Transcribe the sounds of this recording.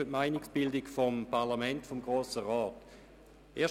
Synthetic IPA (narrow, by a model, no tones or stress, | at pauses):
ətmaɪnɪksb̥ɪldikfompaʁlamɛntfomɡʁoːsəʁɔːt | ʔeːɐ